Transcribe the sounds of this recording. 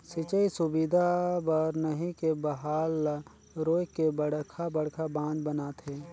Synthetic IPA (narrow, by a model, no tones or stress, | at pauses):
sɪt͡ʃəisʊbid̪ʱabəɾnəɦĩkebɐɦaːl | ɾoːjkebəɽkʰabɐɽkʰabãːd͡ʒbɐnaːt̪ɦɛː